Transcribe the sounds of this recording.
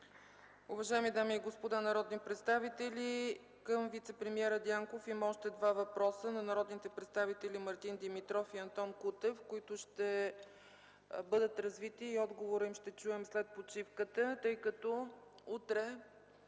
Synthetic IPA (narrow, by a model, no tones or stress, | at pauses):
ʊvɐʒaɛmid̪amiːɡospod̪anɐɾɔd̪nipɾɛt̪st̪avit̪ɛlʲi | kəmvit̪sɛpɾɛmiɛɾəd̪jaŋkofimɐɔʃt̪ɛd̪vavɐpɾɔsənɐnɐɾɔd̪nit̪ɛpɾɛt̪st̪avit̪ɛlʲimɐɾt̪ind̪imit̪ɾɔfiɐnt̪ɔnkut̪ɛfkoit̪ʊʃt̪ɛ | bɤd̪ət̪ɾɐzvit̪iːɔd̪ɡovoɾəimʃt̪ɛt͡ʃuɛmslɛt̪̚pot͡ʃifkət̪ət̪ɤjkət̪ɔ | ut̪ɾɛ